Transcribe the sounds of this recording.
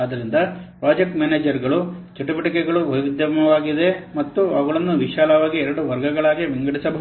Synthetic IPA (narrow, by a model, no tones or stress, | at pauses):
aːd̪ɐɾind̪ɐpɾaːd͡ʒek̚ʈmaːneːd͡ʒɐɾɡɐɭut͡ʃɐʈibɐʈikɛɡɐɭuʋɐjʋid̪jɐmɐʋaːɡid̪e̞mɐt̪ːuaːɡɐɭɐnːuʋiʃaːlɐʋaːɡiɛɾɐɽuʋɐɾɡɐɡɐɭaːɡiʋiŋɡɐɽisɐbʱɐɦ